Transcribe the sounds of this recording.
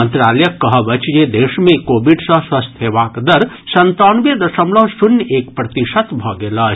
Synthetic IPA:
ənt̪ɾalɛjəkːəɦəbət͡ʃjed̪esmekobiɖsə̃swəst̪ʰɦeʋakd̪əɾ | sənt̪anuʋjəd̪əsəmləsunjekpɾət̪iʃət̪bʱɔɡelə

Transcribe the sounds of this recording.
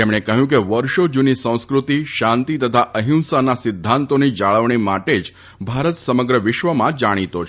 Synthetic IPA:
t̪emɽ̃ekəɦjũk̬eʋəɾʃod͡ʒunisə̃w̃skɾut̪iʃãnt̪it̪ət̪ʰaʔəɦũnsanasɪd̪ʱːãnt̪onid͡ʒaɭəʋɳ̃imaʈed͡ʒ | bʱaɾət̪səməɡɾəʋɪʃʋəmãd͡ʒaɽ̃it̪ot͡ʃʰ

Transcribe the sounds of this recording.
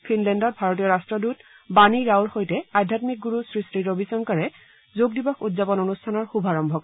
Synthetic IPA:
pʰinlɛndɔt̚bʱaɹotijɔɹastɹɔdut | baniɹawɹxojtɛadʱjatmik̚ɡuɹusɹistɹiɹobisɔŋkaɹɛ | zoɡ̚dibɔxudzapɔnonustʰanɔɹxubʱaɹɔmbʱɔk

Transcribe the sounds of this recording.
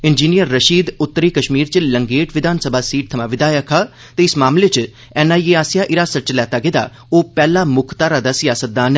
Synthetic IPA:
ɪnd͡ʒiːnijəɾːəʃiːd̪ʊt̪ːəɾiːkəʃmiːɾt͡ʃləŋɡeːʈʋɪd̪ʱaːnsəbaːsiːʈ̚t̪ʰəmãːʋɪd̪aːjəkʰaː | t̪eːɪsmaːmleːt͡ʃ | ɛːnaːieːaːsɪjaːʔɪɾaːsət͡ʃlɛːt̪aːɡed̪a̰ː | oːpɛːlaːmʊkʰt̪aːɾaːd̪əsjaːsət̪̚d̪aːn

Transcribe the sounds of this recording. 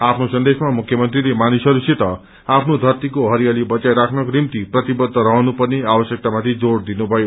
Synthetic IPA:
apʰnosʌnd̪esmamukʰjʌmʌnt̪rilemanisʌɾuset̪ʌ | apʰnod̪ʱʌrt̪ikoɦʌɾijalibʌt͡sajɾakʰnʌkonimt̪iprʌt̪ibʌd̪ʱːʌɾʌɦnupʌrneabʌsjek̚t̪amat̪ʰid͡zoɽd̪inubʱʌjo

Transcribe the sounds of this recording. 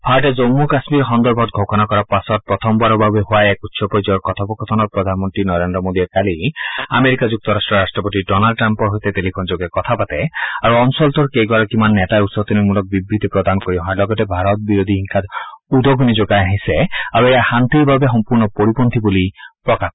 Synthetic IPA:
bʱaɾɔtezomːuɾkasmiɾɦɔnd̪ɔɾbʱɔt̪̚ɡʱɔkɔnakɔɾapasɔt̚pɾɔt̪ʰɔmbaɾɔbʱabeɦuaeɛkut̪sɔpɔjd͡ʒɔɾkɔt̪ʰɔpɔkʰɔt̪ʰɔnɔk̚pɾɔd̪ʱanmɔnt̪ɾinɔɾend̪ɾɔmod̪iɔkaliameɾikad͡ʒuk̚t̪ɔɾasʈɾɔɾasʈɾɔpot̪iɖɔnalɖ̚ʈɾampɔɦojt̪et̪elipʰond͡ʒoɡekɔt̪ʰapat̪ɛaɾuɔnsɔlt̪ɔɾkejɡɔɾakimanːɛtaeut̪sɔt̪inumulɔk̚bibɾit̪ipɾɔd̪anɔkoɾibɔɦɔ̃elɔɡɔt̪ebʱaɾɔt̪̚biɾod̪ʱiɦiŋkʰat̪ud̪oɡʱunid͡ʒoɡaeaɦiseaɾuejahant̪ibʱabeɦɔmpuɾnɔpoɾipont̪ʰibulipɾɔkap̚

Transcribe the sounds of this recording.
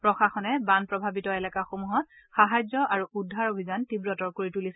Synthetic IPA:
pɹɔxaxɔnɛbanpɹɔbʱabitɔɛlakaxomuɦɔt | xaɦazɔʔaɹuʔudʱːaɹobʱizantibɹɔtɔɹkoɹitulis

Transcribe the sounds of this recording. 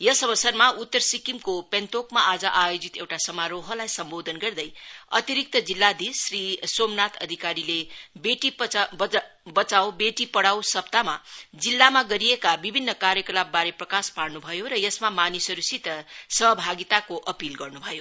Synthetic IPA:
jʌsʌbʌsʌrmaut̪ːʌrsikimkopent̪okmaʔad͡zʌʔajod͡zit̪ewʈasʌmaɾoɦʌlajsʌmbod̪ʱʌnɡʌrd̪ʌjʌ̰t̪iɾik̚t̪ʌd͡zilːad̪isrisomnat̪ʰʌd̪ʱikaɾilebeʈib | bʌt͡sawbeʈipʌɽawsʌpt̪amad͡zilːamaɡʌɾijekabibʱinːʌkaɾjʌkʌlab̚baɾeprʌkaspaɽnubʱʌjoɾʌjʌsmamanisʌɾusit̪ʌsʌɦʌbʱaɡit̪akoʔʌpilɡʌrnubʱʌjo

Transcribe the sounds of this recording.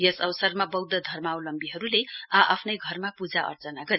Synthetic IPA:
jʌsʌbʌsʌrmabʌwd̪ʌd̪ʱʌrmawlʌmbiɦʌɾuleʌʔa̰pʰnʌjɡʱʌrmapud͡zaʔʌ̰rt͡sʌnaɡʌɾe

